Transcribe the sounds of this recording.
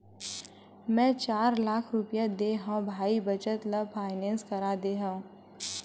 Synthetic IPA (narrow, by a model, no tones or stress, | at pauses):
mɛ̃ːt͡ʃaːɾlaːkʰɾʊpjad̪eːɦãbʱaːibɐt͡ʃət̪ləpʰaːɪnɛ̃ːnskɐɾaːd̪eːɦã